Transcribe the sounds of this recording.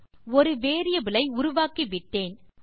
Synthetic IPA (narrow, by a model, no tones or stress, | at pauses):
ɔɾɯʋeːɾɪjɐʋɪlɐɪʊɾʊʋaːkiʋɪʈːeːn